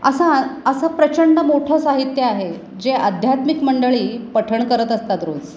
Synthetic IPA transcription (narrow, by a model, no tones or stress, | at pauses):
əsãəsəpɾət͡ɕəɳɖəmoʈʰosaɦit̪jəaɦe | d͡ʑeʔad̪ʱjat̪mikməɳɖəɭiːpəʈʰəɳkəɾət̪əst̪at̪ɾod͡z